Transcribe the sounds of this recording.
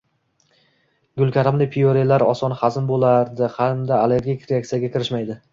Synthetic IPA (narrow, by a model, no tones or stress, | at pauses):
ɡʊlˠkʲʰaɾamlɪpʰioɾelaɾɒsɒnχazɪnbolˠaɾd̪ɪhamd̪aːle̞ɾɡʲijkʰʲɾeak̚t̪ijaɡʲakʲʰɪɾɪʃmajd̪ɪ